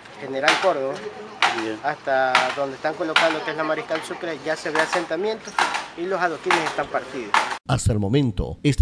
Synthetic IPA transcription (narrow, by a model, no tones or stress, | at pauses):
xe̞ne̞ɾalko̞ɾðoβa | ast̪aðo̞nd̪est̪aŋko̞lo̞kand̪o̞keeslamaɾikalsukɾeʝase̞βease̞nt̪amje̞nt̪osilo̞saðokinesest̪ampaɾt̪iðosast̪aelmo̞mẽnt̪o̰est̪